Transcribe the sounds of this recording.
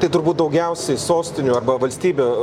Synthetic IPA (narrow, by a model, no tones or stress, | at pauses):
t̪ɐɪt̪ʊɾbuːt̪̚d̪ɐʊɡʲɛʊsʲɛɪsoːsʲt̪ʲɪnʲuːɐɾbɐʋɐlʲsʲt̪ʲiːbʲeː